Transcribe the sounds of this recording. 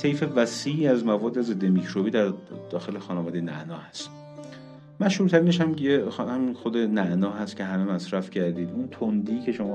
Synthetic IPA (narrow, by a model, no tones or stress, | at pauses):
sʰejfe̞væsiːiæzmævɒːd̪ːeze̞d̪ːe̞micʰɾobiːd̪æɾd̪̥ɒːxe̞lexɒːnævɒːd̪ejenæ̰ʔnɒːhæst̪ | mæʃhuːɾt̪ʰæɾineʃhæmjehæminxod̪e̞næʔnɒːɦæst̪̚cʰe̞ɦæmemæsɾæfcʰæɾd̪iːd̪unt̪ʰond̪icʰe̞ʃomɒ